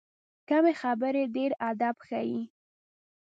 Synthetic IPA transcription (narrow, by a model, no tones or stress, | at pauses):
kamexabəɾeɖeɾad̪abxaji